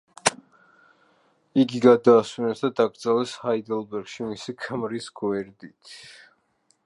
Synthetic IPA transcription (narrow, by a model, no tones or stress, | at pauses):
iɡiɡad̪aːswinɛsd̪ad̪aɡɾd̪zalɛshaid̪ɛlˠbɛɾɡ̥ʃimisikʰmɾisɡwɛɾd̪it̪ʰ